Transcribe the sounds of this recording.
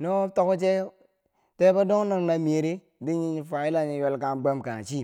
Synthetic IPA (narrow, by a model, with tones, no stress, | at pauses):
no˦to˦ku˦t͡ʃe˦ | te˦ba˦do˦ŋ˦na˨ŋna˨mi˨e˨ɾi˦ | di˦ɲi˦ɲi˦fa˨i˦la˦ɲi˨jo˦lka˨ɡ͡be˦mka˨t͡ʃi˦˨